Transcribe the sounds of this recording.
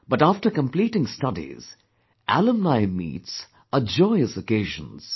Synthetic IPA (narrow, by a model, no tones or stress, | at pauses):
b̥ʌtæfʈəkə̃mpliːʈɪ̃ŋstʌdḭz̥ | ʔæ̰lə̃mnaɪmḭːts | əd͡ʒɔɪəsəkeɪʒə̰̃nz̥